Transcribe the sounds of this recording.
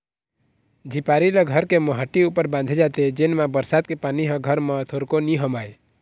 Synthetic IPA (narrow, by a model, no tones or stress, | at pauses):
d͡ʒʱipaɾiləɡʱəɾkeməɦəʈːiupəɾbãnd̪ʱed͡ʒat̪ed͡ʒenmãbəɾsad̪̚kepaniɦə̃ɡʱəɾmə̃t̪ʰoɾkoniɦəmae